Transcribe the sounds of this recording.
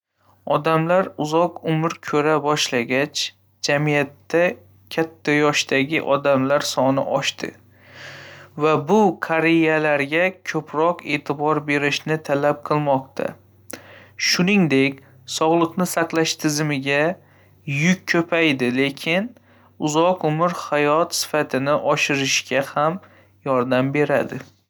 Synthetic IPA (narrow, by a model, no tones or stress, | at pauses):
ɒd̪amlaɾʊzɒqʊmɪɾkʲʰɵɾabɒʃlaɡʲat͡ʃ | d͡ʒamijat̪ːa | kʲʰat̪ʰːajɒʃt̪aɡʲɪ̰ʔɒd̪amlaɾsɒnɪ̰ʔɒʃt̪ɪ̰ | vabʊkʰaɾejalaɾɡʲakʲʰɵpʰɾɒqe̞ːt̪ʰɪbɒɾbe̞ɾɪʃnɪt̪ʰalap̚qʰɨlˠmɒq̚t̪ʰa̰ | ʃʊnɪŋd̪e̞kʲ | sɒʁlˠɨqnɪsaqlˠaʃt̪ʰɪzɪmɪɡʲa | jʊkʲkʰːɵpʰajd̪ɪle̞kʲʰɪn | ʊzɒqʊmɪɾhajɒt̪sɪ̥fat̪ʰɪnɪʔɒʃɪɾɪʃɡʲʰaham | jɒɾd̪ambe̞ɾa̰d̪ɪ